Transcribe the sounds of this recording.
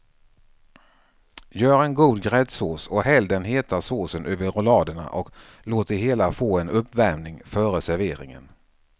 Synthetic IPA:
jœːɾɛnɡuːd̪ɡɾɛd̪soːsɔɦɛld̪ənɦeːt̪asoːsənʔʉːvəɾʊlɑːd̪əɳa̰ʔɔk | loːt̪̚d̪ɛɦeːlafoːɛnɵpːvæɾmnɪŋfœːɾəsæɾveːɾɪ̰ŋə̰n

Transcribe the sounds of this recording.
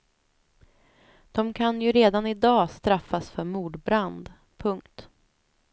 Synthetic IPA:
d̪̥ɔmkʰanjɵɾeːd̪anɪd̪ɑːst̪ɾafːasfœɾmuːɖbɾand̪ | pʰɵŋkt̪

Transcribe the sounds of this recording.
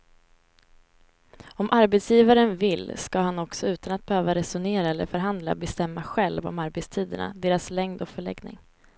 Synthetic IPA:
ɔmʔaɾbɛt̪sjiːvaɾənvɪlːskahanɔksɔʉ̟ːt̪anat̪̚b̥ɛhøːvaɾɛsʊneːɾaɛlːə̰ɾfœɾɦand̪la̰bɛst̪ɛmːaɧɛlvɔ̰maɾbɛt̪st̪ʰiːd̪əɳa̰d̪eːɾaslɛŋd̪ɔkfœɭɛ̰ɡnɪ̰ŋ

